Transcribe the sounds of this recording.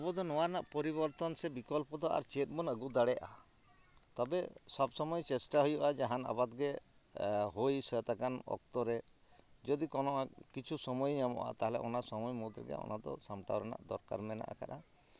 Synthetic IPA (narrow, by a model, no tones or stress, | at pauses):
ɔbɔd̪ɔnɔwaɾnaʔpɔɾibɔɾt̪ɔnsɛbikɔlpɔd̪ɔa̰ɾt͡ʃet̚bɔnəɡud̪aɽɛʔa̰ | t̪ɔbesɔbsɔmɔjt͡ʃesʈaɦujuʔad͡ʒaɦana̰bad̪ɡe | ɦojsət̪akanɔ̰k̚t̪ɔɾed͡ʒɔd̪ikɔnɔʔakit͡ʃʰusɔmɔjɲamɔ̰ʔa̰t̪aɦɛlɛ̰ʔɔnasɔmɔjmɔd̪ɾɛɡɛ̰ɔ̰nad̪ɔ̰samʈa̰wɾɛna̰ʔd̪ɔɾka̰ɾmɛna̰ʔa̰ka̰ɾa